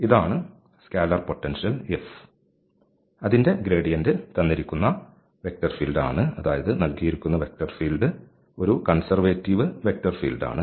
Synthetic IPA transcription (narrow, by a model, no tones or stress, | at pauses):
iðaːɳɨ | skaːlɐrpo̞ʈːɐnʂijɐlef | ɐðinde̞ɡɾe̞ːɖijɐndɨt̪ɐnːiɾikʲːunːɐ | ʋe̞k̚tɐrfiːlɖa̰ːɳɨɐðaːjɐðɨnɐlkijiɾikʲːunːɐʋek̚tɐrfiːlɖɨ | o̞ɾukɐɳsɐrʋeːtːiʋɨʋe̞k̚tɐrfiːlɖa̰ːɳɨ